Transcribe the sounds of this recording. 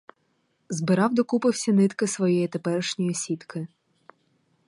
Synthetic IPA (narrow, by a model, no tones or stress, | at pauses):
zbɪɾɑwd̪ɔkupɪwsʲɐnɪt̪kɪsʋɔjɛjit̪epɛɾɪʃnʲɔjisʲit̪kɪ